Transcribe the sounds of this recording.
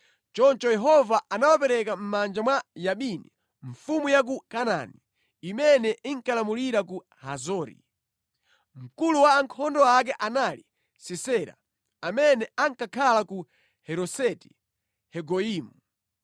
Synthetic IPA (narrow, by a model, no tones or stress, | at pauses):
t͡ʃɔnt͡ʃɔjɛɦɔvaʔanawapɛɾɛkam̩mand͡ʒamwajaɓinḭ | ɱfumujak̬ukana̰ni | imɛnɛʔiŋkalamuliɾaku | hazɔːɾḭ | m̩kuluwaːŋkʰɔndɔak̬ɛʔanali | sɛsɛɾa̰ | amɛnɛaŋkakʰalaku | hɛɾɔsɛti̥ | hɛɡɔiːmu